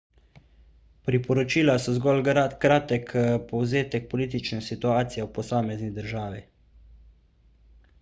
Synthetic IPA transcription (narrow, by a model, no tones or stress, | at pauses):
pɾipɔɾɔt͡ʃiːlasɔzɡɔːlkɾaːt̪ɛkpɔwzeːt̪ɛk̚pɔliːt̪it͡ʃnɛsit̪uaːt̪sijɛwpɔsaːmɛznid̪əɾʒaːʋi